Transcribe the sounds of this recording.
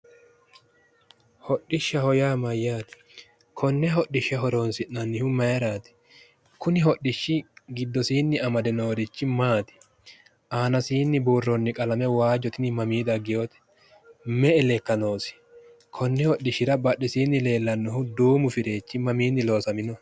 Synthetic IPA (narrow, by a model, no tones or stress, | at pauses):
hɔɗɪʃːɐhɔjaːmɐjːaːt̪ɪ̥ | kʰɔnːɛɦɔɗɪʃɐɦɔɾoːnsɪnnɐnːɪhʊmɐjɾaːt̪ɪ̥ | kʊnɪɦɔɗɪʃːɪɡɪd̪ːɔsiːnːɪɐmɐd̪ɛno̞ːɾɪt͡ʃːɪmaːt̪ɪ̥ | ʔaːnɐsiːnːɪbuːrːɔnːɪkʼɐlɐmɛwaːd͡ʒɔt̪ɪnɪmɐmiːd̪ɐɡːɪjoːt̪ɛ̥ | mɛɛlɛkːɐno̞ːsɪ̥ | kʰɔnːɛhɔɗːɪʃːɪɾɐbɐɗːɛsiːnːɪle̞ːlːɐnːɔhʊd̪uːmʊfɪɾe̞ːt͡ʃːɪmɐmiːnːɪlo̞ːsɐmɪnɔ